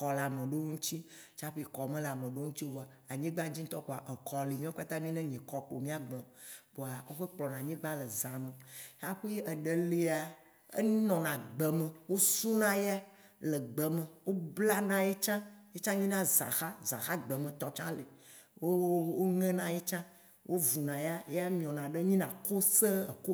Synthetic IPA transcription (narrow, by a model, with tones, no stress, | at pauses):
kɔ˨la˨mẽ˨ɖo˦ũ˦t͡ɕ̪i˦ | t͡ʃa˦ɸe˦˨kɔ˨mẽ˦la˨mẽ˨ɖo˦ŋũ˦t̪i˦wo˦bo˨a˨ | a˨ɲĩ˦ɡ͡bã˦d͡ʑi˦t̪ɔ˦k͡po˨a˨ʔe˨kɔ˨li˨mĩ˦o˦ka˦t̪ã˦mĩ˦nɛ̃˦ɲɛ̃˨kɔ˨k͡po˨mĩ˦a˦ɡ͡bɔ̃˨bo˨a˨wo˦ɸe˦k͡plɔ˨nã˨ɲĩ˦ɡ͡bã˦le˨zã˨mẽ˨˦a˦xu˦je˦ʔe˨ɖe˨li˨a˨ | ḛ˦nɔ̃˨nã˨ɡ͡bə˨me˨wo˦su˦nã˦ja˦ | lə˨ɡ͡bə˨mẽ˨wo˦bla˦nã˨je˦t͡ʃã˦je˦t͡ʃã˦ɲĩ˦nã˦zã̰˨xa˦zã̰˨xa˦ɡ͡bə˨mẽ˨t̪ɔ˨t͡ʃã̰˦le˨ | wo˦wo˦ŋɛ̃˦nã˨je˦t͡ʃã˦ | wʔo˦vu˨nã˨ja˦ja˦mĩ˨ɔ̃˨nã˨ɖe˦ɲĩ˦nã˨ko˦se˦ə˨ko˦